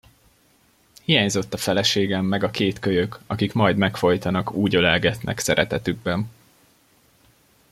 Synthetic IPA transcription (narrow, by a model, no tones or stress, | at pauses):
hijaːɲzo̞t̪ːɒfɛlɛʃeːɡɛmːɛɡɒkeːt̪køjøkɒkikmɒjd̪mɛkfo̞jt̪ɒnɒkuːɟølɛlɡɛt̪nʔɛ̰ksɛɾɛt̪ɛt̪yɡ̚bɛn